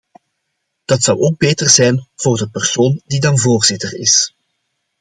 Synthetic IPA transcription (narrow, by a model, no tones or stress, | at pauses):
d̥ɑtsʌwoːɡ̚beːtərzɛjnv̥oːrdəpərsoːndidɑnvoːrz̥ɪtərɪ̰s